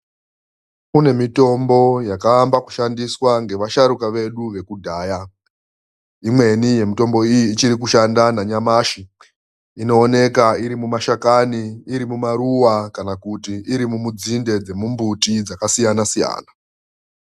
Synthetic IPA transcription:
kune̞mito̞mbo̞jakaːmbaku̥ʃandiswaŋɡe̞ʋaʃaɾukaʋe̞ɗuʋe̞kudʱaːja | imwe̞nije̞mito̞mbo̞ijiːt͡ʃiɾik̬uʃandanaɲamaʃi | ino̞ːne̞kaiɾimumaʃakaniːɾimumaɾuwakanakutiʔiɾimumud͡zinde̞d͡ze̞mumbutid͡zakasijanasija̰ːna

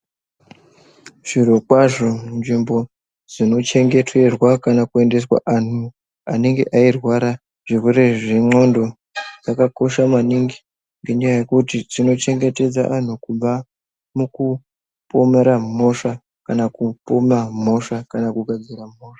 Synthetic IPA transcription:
ʐ̥irokwaʐo̞nʐimbo̞ | d͡zino̞t͡ʃe̞ŋɡe̞twe̞rwakanakue̞nde̞swa̰ʔan̤u | ane̞ŋɡe̞̰ʔairwaɾa | ʐ̥irweɾe̞ʐiŋ͡ǀo̞ndo̞ | d͡zakako̞ʃamaniŋɡi̥ | ŋɡe̞ɲajaje̞kutid͡zino̞t͡ʃe̞ŋɡe̞te̞d͡za̰ʔan̤ukuɓa | muku | po̞meɾamo̞ʂa | kanakupomam̤o̞ʂakanakuɡʱad͡ziɾamo̞ːʂḁ

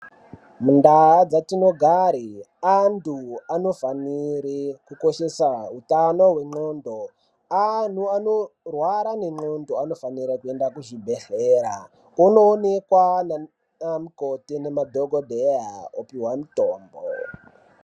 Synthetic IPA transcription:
mundaad͡zatino̞ɡʱaɾi | antuano̞faniɾikuko̞ʃe̞sautanoɦwe̞ŋ͡ǃo̞ndo | an̤uanorwaɾane̞ŋ͡ǃo̞ndoano̞faniɾakue̞ndakuʒibʱeɬeːɾa | unoːne̞kwana | amukotinemadʱoɡʱodʱeaopiwamutoːmbo̰

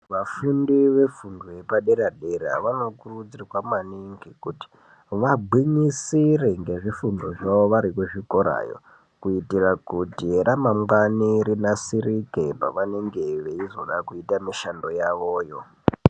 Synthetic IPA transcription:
ʋafundiʋe̞funduje̞paɗeɾaɗeɾa̰ʋano̞kurud͡zirawamaniŋɡikuti̥ | ʋaɡ͡bʱwiɲisireŋɡe̞ʐifundoʐaʋoʋaɾikuʐiko̞ɾa̰jo̞̰ | kuitirakutiramamwaniɾinasirikepa̰ʋane̞ŋɡe̞ʋeizo̞̰ɗakuitamiʃando̞jaʋoːjo̞

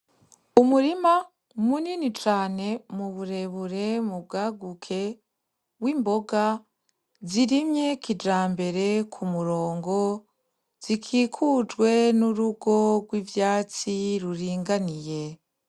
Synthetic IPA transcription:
umuɾima | muninit͡ʃaːne̞muβuɾe̞βuɾe̞mub̚ɡaːɡukʰe̞ | wiːmbo̞ɡa | ziɾimɲe̞kid͡ʒaːmbe̞ɾe̞kʰumuɾo̞ːŋɡo̞ | z̥ikʰiːkʰud͡ʒɡwe̞nuɾuɡo̞ɡwiːvjaːt͡siɾuɾiːŋɡanije̞

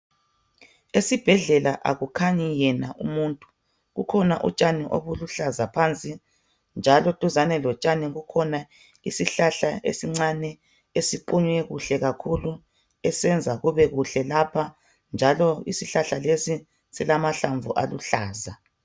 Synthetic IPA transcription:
esib̥ʱɛɮɛlaʔa̰ɣukʰaɲijɛnaʔumuːntʼu̥ | ɣukʰɔnaʔṵt͡ʃʼaniʔo̰βuluɬazapʰant͡sʼi | nd͡ʒʱalɔtʼuzanɛlɔt͡ʃʼaniɣukʰɔna | isiɬaɬaḛsiŋ͡ǀanɛ | esiǃuɲwɛɣuɬɛɣakʰulu | ɛsɛnd͡zʱaɣuβɛɣuɬɛlapʰa | nd͡ʒʱalɔisiɬaɬalesi | silamaɬaɱvʱuʔa̰luɬaːza

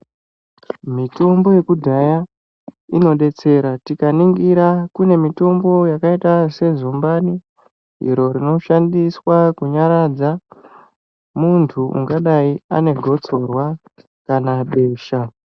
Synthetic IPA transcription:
mito̞mbo̞je̞kudʱaja | ino̞ɗe̞t͡se̞ɾatikaniŋɡiɾakune̞mito̞mbo̞jakaitase̞zumbani | ɦḭɾo̞ɾino̞ʃandiswakuɲaɾad͡za | muntʰuʔṵŋɡaɗaia̰ne̞ɡʱo̞t͡so̞rwa | kanaɓe̞ːʃa

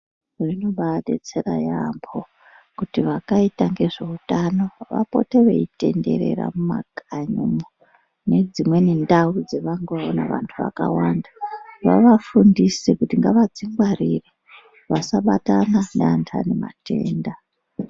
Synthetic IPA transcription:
rino̞ɓaɗet͡se̞ɾajambʰo̞ | kutiʋakaitaŋɡe̞ʐe̞utano̞ʋa̰po̞̰teʋeite̞nde̞̰ɾe̞̰ra̰mumaɡʱaɲumo | ne̞d͡zimwe̞ne̞ndaud͡ze̞ʋaŋɡeʋaonaʋa̰ntʰuʋa̰kawandaʋa̰ʋafundisekutiŋɡaʋad͡ziŋɡwarire | ʋasaɓatananeantʰa̰nemate̞ːnda

